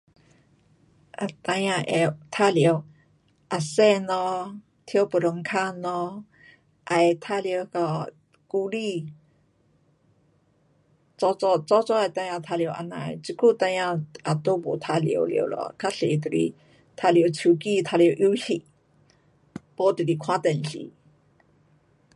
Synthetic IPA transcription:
ʔa˨t̪a˧ja˧ʔɛ˧t̪ʰa˧li˨ə˧w | ʔa˨sɛ˦˧nɔ˧ | t̪ʰi˧ə˧wpə˨ɾo˨ŋkʰa˥˧nɔ˧ | ʔa˨jt̪ʰa˧li˧˨ə˧wka˧ | ku˧li˧ | t͡sɔ˧t͡sɔ˧t͡sɔ˦t͡sɔ˦a˨jt̪a˧jã˧t̪ʰa˧li˧ə˧˦wʔa̰˧˨na̰˨jt͡si˧kʰu˥˨t̪a˧jã˧ʔa˨t̪o˧˦bo˨t̪ʰa˧lḭ˨ə˨˧wlḭ˧˩˧lɔ̰˨˧˨kʰa˥ɬḛ˨t̪ə˨ɾḭ˧˨ | t̪ʰa˧li˧˨ə˧wt͡sʰu˧˨ki˥˧t̪ʰa˧ljə˧wʔi˧˦hi˧˨ʔ | pɔ˧˦t̪ə˨ɾi˧˨kʰwa˦t̪ɛ˨nɬḭ˧˨

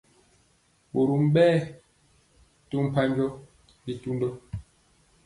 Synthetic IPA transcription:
ɓo˨ɾu˨m˦ɓɛː˦˨ | tu˦m̩˨pa˦ɲd͡ʒɔ˦ | bi˦tu˦ndɔ˦

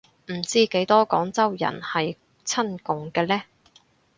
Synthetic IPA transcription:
m̩˨˩t͡siː˥ke˨˥jt̪ɔː˥kɔː˨˥ŋt͡sɐ˥wjɐ̰˨˩nhɐ˨j | t͡sʰɐ˥nkʊ˨ŋkɛː˧lɛː˥

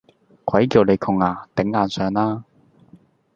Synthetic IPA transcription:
kʷʰɐ˨˥jkiː˧wne˨˧jkʰʊ˨˧ŋaː˧˩t̪ɪ˨˥ŋːaː˨˧nsœː˨˧ŋaː˧

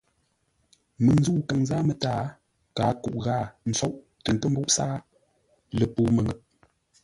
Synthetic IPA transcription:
mɨ˨ŋn˦zu˦˨ka˨ŋzaː˦mə˨taː˦˨ | kaː˨˦ku˨ʔɣaː˦˨n̩˨˦t͡sɔ˦ʔ | tə˨ŋ˨tə˦m̩˦bu˦ʔsaː˦ | lə˨puː˦mə˨ŋə˨ʔ̚

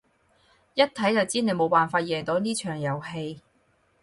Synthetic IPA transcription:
jɐ˥t̚t̪ʰɐ˨˥jt͡sɐ˨wt͡siː˥ne˨˧jmo˨˧wpaː˨nfaː˧t̚jɛː˨˩ŋt̪o˨˥wniː˥t͡ʃʰœː˨˩ŋjɐ˨˩whe˧j

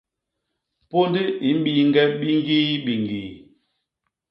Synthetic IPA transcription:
po˦ndi˦i˨˦m̩˦ɓi˨ŋ˦ɡɛ˦ɓi˦ŋ˦ɡi˦ɓi˨ŋɡi˨

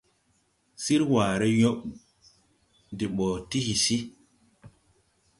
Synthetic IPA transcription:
si˦ɾwaː˨ɾe˦jo˦ɓ | di˨ɓɔ˨ti˦hi˨si˦

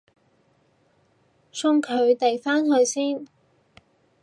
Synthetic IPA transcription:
sʰʊ˧ŋkʰɵ˨˧ɥt̪e˨jfaː˥nɦɵ˧ɥsiː˥n

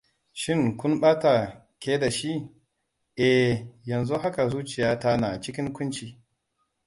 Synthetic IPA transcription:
ʃɪ˦˨ŋkʷʊ˦mɓaː˦ta˨ | kʲeː˦da˨ʃi˦ | ʔɛ˨jɐ˨nzu˦ɦa˦ka˨zuː˦t͡ʃɪ˨jaː˦ta˦na˨t͡ʃɪ˦kʲɪ˦ŋkʷʊ˦nt͡ʃi˨

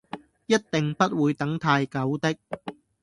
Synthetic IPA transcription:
jɐ˥t̚t̪ɪ˨ŋpɐ˥t̚wuː˨˧jt̪ɐ˨˥ŋt̪ʰaː˧jkɐ˨˥wt̪ɪ˥k̚

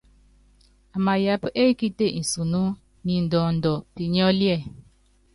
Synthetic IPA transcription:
a˨ma˨ja˨˦pe˦ki˦te˦˨n̩˨su˨nu˦ | ni˨n˨dɔ˨ndɔ˨pi˨ɲ˦ɔ˦ljɛ˦˨

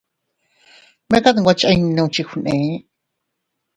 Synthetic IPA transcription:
mẽ˦ka˦t̪ɨ̃˧˨ɡʷa˦t͡ʃa˦˧i˧nĩ˧nã˧ũ˧t͡ʃi˧xu˧nẽ˨˦

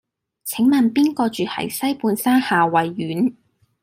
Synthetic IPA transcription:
t͡sʰɪ˨˥ŋmɐ˨npiː˥nkɔː˧t͡ʃyː˨hɐ̰˨˩jsɐ˥jpuː˧nsaː˥nhaː˨wɐ˨jːyː˨˥n

